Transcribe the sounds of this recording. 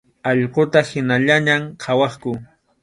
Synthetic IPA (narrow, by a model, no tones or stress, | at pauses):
ɑʎqot̪ahɪnaʎaɲamqʰɑwɑχkʊ